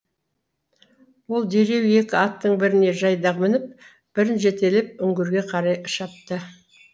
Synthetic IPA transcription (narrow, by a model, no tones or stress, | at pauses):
wo̞lˠd̪e̞ɾe̞we̞kʲɪɑt̪ːəɴbɪɾɪne̞ʒɑjd̪ɑʁmɪnɪp̚ | b̥ɪɾɪnʒe̞t̪e̞lɪp̚ʏŋɡʲɪɾɡʲe̞qʰɑɾɑjəʃɑp̚t̪ə